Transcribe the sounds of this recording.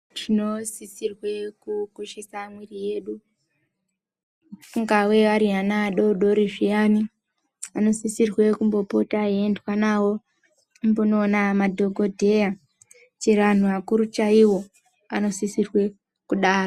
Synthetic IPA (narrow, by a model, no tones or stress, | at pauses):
tino̞sisirwe̞kukoʃesamwirije̞ɗu | uŋɡawe̞ʋaɾianaɗo̞ɗo̞ɾiʐijaːni | ano̞sisirwe̞kumbo̞po̞taendwanawo̞ | mbonoːnamadʱo̞ɡʱo̞dʱe̞ja | t͡ʃeʋan̤uʋakuɾut͡ʃaiwo̞ | ano̞sisirwe̞ | kuɗaːra